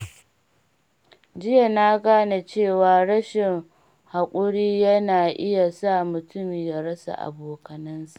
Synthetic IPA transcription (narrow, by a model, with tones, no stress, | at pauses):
d͡ʒɪ˦ja˨naː˦ɡaː˦na˨t͡ʃeː˦˨waː˨ɽɐ˦ʃɪ˨ŋ | ha˨kʷʼʊ˦ɽiː˦jɐ˦naː˨ʔɪ˦ja˨sa˦˨mʊ˨tʰʊ˦miː˨ja˨ɽɐ˦sa̰˨ʔa̰˨boː˨kɐ˨nɐ˦nsa˨ʔ